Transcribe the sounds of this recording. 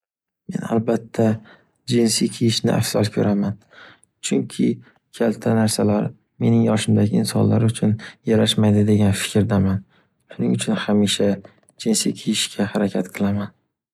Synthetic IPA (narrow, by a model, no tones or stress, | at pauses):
me̞̰na̰lbat̪ʰːa | d͡ʒɪnsijkʲʰijɪʃnɪ̰a̰fsalˠkʲʰɵɾʔaman | t͡ʃʰʊŋkʲʰɪ | kʲʰalt̪ʰanaɾsalaɾ | me̞nɪŋjɒʃɪmd̪aɡʲɪːnsɒnla̰ɾʊt͡ʃʰʊnjaɾaʃmajd̪ɪd̪e̞ɡʲanfɪ̥kʲɾd̪aman | ʃʊnɪŋʊt͡ʃʰʊnhamiʃa | d͡ʒɪnsḭjkʲʰijɪʃkʲʰahaɾakʲʰat̪qʰɨlˠaman